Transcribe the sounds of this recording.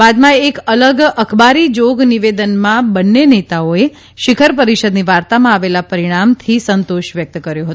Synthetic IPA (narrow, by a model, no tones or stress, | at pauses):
bad̪mãeːkələɡəkʰbaɾid͡ʒoɡniʋed̪ənmãbənːenet̪aoe | ʃɪkʰəɾpəɾiʃəd̪niʋaɾt̪amãaʋelapəɾiɽ̃amt̪ʰisənt̪oʃʋjək̚t̪kəɾjõɦət̪u